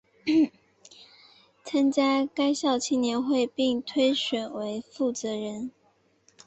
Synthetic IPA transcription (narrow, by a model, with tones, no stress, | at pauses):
t͡sʰa˥ŋt͡ɕja˥ka˥ɪɕjɑ˥˩ʊt͡ɕʰi˥˩njɛ˧˥nxwe˥˧ɪpi˥˨ŋt̪ʰwe˥ɪɕɥɛ˨˩nwe˧˥ɪfu˥˩t͡sɤ˨˧˥ɻə˧˦n